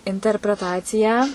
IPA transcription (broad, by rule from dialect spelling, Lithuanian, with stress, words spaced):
ɪnʲtʲɛrʲpʲrʲɛˈtɑːt͡sʲɪjɛ